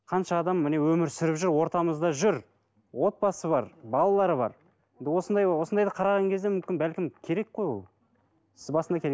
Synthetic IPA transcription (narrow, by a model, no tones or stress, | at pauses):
qʰɑnʃɑːd̪ɑmːɪne̞wɵmɪɾsʏɾɪpʒʏɾwo̞ɾt̪ɑməzd̪ɑʒʏɾ | wo̞t̪̚pɑsəβɑɾbɑlˠɑlˠɑɾəbɑ̰ɾ | end̪ɪwo̞sənd̪ɑjwo̞sənd̪ɑjd̪ɑqʰɑɾɑʁɑŋkʲʰe̞zd̪emʏmkʲɪnbælkʲɪmkʲʰe̞ɾe̞k̚qo̞jwo̰lˠ | sɪzbɑsənd̪ɑkʲʰɾe